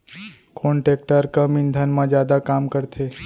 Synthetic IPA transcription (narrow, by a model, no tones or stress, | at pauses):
kʰoɳʈek̚ʈəɾkə̃mind̪ʱanmãd͡ʒjad̪akamkəɾt̪ʰe